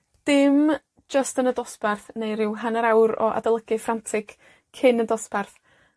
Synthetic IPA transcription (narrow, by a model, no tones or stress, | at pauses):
d̥ɪm | d͡ʒəstənədɔsbɛrθnejɾɪwɦanəɾawɾɔ̰ʔa̰dəlˠəɡɨfrantʰɪk | kʰɪnəndɔsb̥ɛrθ